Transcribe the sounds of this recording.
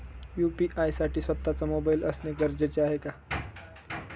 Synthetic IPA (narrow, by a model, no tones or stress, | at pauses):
jupiʔajsaʈiːsʋət̪ːat͡samobailʔəsneɡəɾd͡ʑet͡ɕeaɦeka